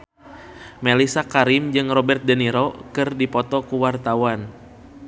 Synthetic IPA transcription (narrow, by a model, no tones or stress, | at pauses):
melisakaɾimd͡ʒɨŋrɔbɛrt̪̚dəniɾɔkɨrdipɔt̪ɔkuwart̪awan